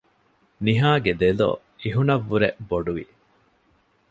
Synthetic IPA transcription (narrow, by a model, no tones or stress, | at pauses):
niɦaːɡed̪elo̰ | iɦunɐʋːuɾeboɖuʋḭ